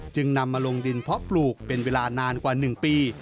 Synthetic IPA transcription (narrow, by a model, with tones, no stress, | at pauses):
t͡ɕɯ˧ŋna˧mːaː˧lo˧ŋdi˧npʰɔ˦˥ʔpluː˨˩k̚pe˧nweː˧laː˧naː˧nkwaː˨˩nɯ˨˩ŋpiː˧